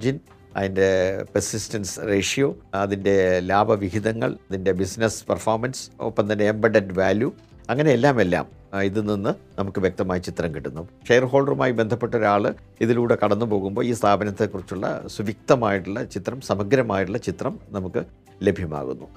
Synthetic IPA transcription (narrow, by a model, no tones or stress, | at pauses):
d͡ʑin | ɐ̰ðinde̞persistɐnsre̞ːʂijoːɐðinde̞laːbʱɐʋiɦiðɐŋːɐ̰ɭɐðinde̞bisnespɐrfoːrmɐnso̰pːɐmt̪ɐnːeːmbɐɖɐdʋaːlju | ɐŋːɐne̞elːaːme̞lːa̰ːm | iðɨninːɨnɐmukːɨʋjek̚t̪ɐmaːjit͡ɕit̪rɐmkiʈːunːuʂejɐrɦo̞ːɭɖɐrumaːjibe̞nd̪ʱɐpːe̞ʈːoɾaːɭɨ | iðiluːɽe̞kɐɽɐnːɨpo̞ːɣumbo̞ːiːst̪ʰaːbʱɐnɐt̪ːekːurit͡ɕːuɭːɐ̰suʋik̚t̪ɐmaːjiʈːuɭːɐt͡ɕit̪rɐmsɐmɐɡɾɐmaːjiʈːuɭːɐt͡ɕit̪rɐmnɐmukːɨ | le̞bʱjɐma̰ːɣṵnːu